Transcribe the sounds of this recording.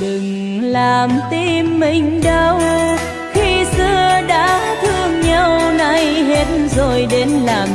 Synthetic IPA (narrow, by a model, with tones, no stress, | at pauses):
ɗɨ˨˩ŋ | laː˨˩mt̪i˧mːï˨˩ŋ̟ɗə˧w | xi˧sɨ˧əɗa̰ː˧˥t̪ʰɨ˧əŋɲə˧˩wna˧jɦe˦˥t̚nzo˨˩jɗe˨˦nlaː˨˩m